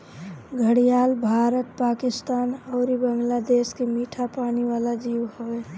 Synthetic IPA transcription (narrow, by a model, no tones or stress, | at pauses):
ɡʱəɽijaːlbʱaːɾət̪̚paːkɪst̪aːnɔːɾibəŋɡlad̪eːskimiːʈʰapaːniʋaːlad͡ʒiːwhoeː